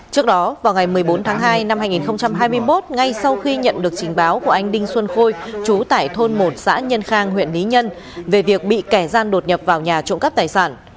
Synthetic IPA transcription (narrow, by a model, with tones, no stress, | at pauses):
t͡ɕɨ˦˥ək̚ɗɔ˨˦vaː˨˩wŋa˨˩jmɨ˨˩əjɓo˨˦nt̪ʰaː˨˦ŋɦaː˧jna˧mhaː˧jŋi˨˩nxə˧wŋ͡mt͡ɕa˧mɦaː˧jmɨ˧əjmo˦˥t̚ŋa˧jsa˧wxi˧ɲə̰˧˨nɗɨ˨˩ək̚t͡ɕï˨˩ŋ̟ɓaː˨˦wku˧˩ʔa˧jŋ̟ɗï˧ŋ̟swə˧nxo˧jt͡ɕu˨˦t̪a̰ː˧˨jt̪ʰo˧nmo˨˩t̚sa̰ː˧˥ɲə˧nxaː˧ŋɦwḭ˧˨ənli˨˦ɲə˧n | ve˨˩vi˨˩ək̚ɓḭ˧˨kɛ˧˩zaː˧nɗo˨˩t̚ɲə˨˩p̚vaː˨˩wɲaː˨˩t͡ɕʊ̰˧˨ŋ͡mkə˦˥p̚t̪aː˨˩jsaː˧˩n